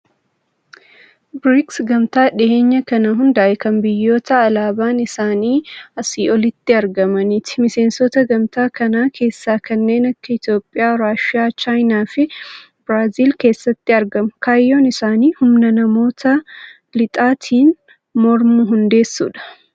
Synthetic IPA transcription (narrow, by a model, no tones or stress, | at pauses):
bɾɪksɡɐmt̪aːᶑɪʔe̞ːɲːɐkɐnɐɦʊnd̪ɐʔɛkɐmbɪjːo̞ːt̪ɐːlaːbaːnɪsaːniːɐsiːɔlɪt̪ːɪɐɾɡɐmɐnɪt̪ɪ̥mɪse̞ːnsɔt̪ɐɡɐmt̪aːkɐnaːkʰe̞ːsːaːkɐnːe̞ːnɐkːɐɪt̪jo̞ːpʼːɪjaːɾaːʃɪaːt͡ʃaːjnaːfɪ | bɾaːziːlke̞ːsːɐt̪ːɪɐɾɡɐmʊkaːjːoːnɪsaːniːhʊmnɐnɐmo̞ːt̪ʰɐ | lɪt̪ʼaːt̪ʰiːn | mɔɾmʊɦʊnd̪e̞ːsːṵːᶑɐ̥